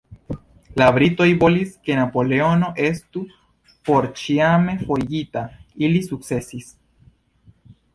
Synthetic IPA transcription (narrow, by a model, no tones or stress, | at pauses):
laβɾit̪ojβoliskenapoleonoʔest̪u | poɾt͡ʃiamefoʝit̪ailisuksesis